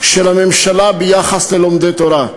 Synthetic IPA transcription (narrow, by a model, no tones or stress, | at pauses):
ʃelamemʃalabejaχaslelomd̪et̪oɾa